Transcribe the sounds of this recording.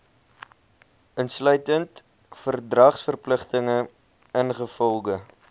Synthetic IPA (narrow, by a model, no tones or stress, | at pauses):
ʔənslœɥtənt | fərdrɐχsfərpləχtəŋə | ənχəfɔlˠχə